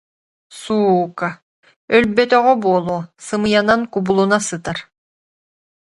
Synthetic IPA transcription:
suːka | œlbɛt̪œʁɛbuɔlˠuːsɯmɯjanankubulˠunasɯt̪aɾ

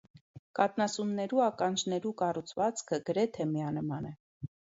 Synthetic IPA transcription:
kɑt̪nɑsunːɛɾuɑkɑnd͡ʒnɛɾukɑrut͡sʰvɑt͡skʰəɡəɾɛt̪ʰɛmiɑnəmɑnɛ

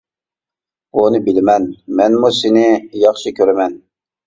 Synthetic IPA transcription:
unɨbɪlɪmɛnmɛnmusɪnɪjɑχʃɨkʲʰøɾɪmɛn

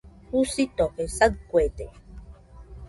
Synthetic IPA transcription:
husit̪okesad̚kwet̪e

